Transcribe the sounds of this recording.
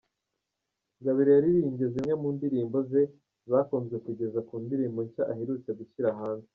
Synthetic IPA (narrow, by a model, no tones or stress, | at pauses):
ŋɡaβiɾejaɾiɾiːɲɟe̞zimŋe̞muːndiɾiːmbo̞ze̞ | zaːkoːnzɡe̞kuɟe̞zakuːndiɾiːmboɲcaʔaheɾut͡seɡuçiɾaɦaːnze